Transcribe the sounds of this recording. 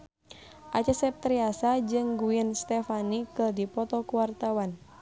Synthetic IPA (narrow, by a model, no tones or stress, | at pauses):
ʔat͡ʃasɛp̚t̪ɾiasad͡ʒɨŋɡuɪnst̪ɛfanikərdipɔt̪ɔkuwart̪awan